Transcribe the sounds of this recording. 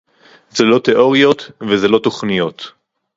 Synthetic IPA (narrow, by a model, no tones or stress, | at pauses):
zelo̞t̪eʔo̞ʁijo̞t̪vezelo̞t̪o̞χnijo̞t̪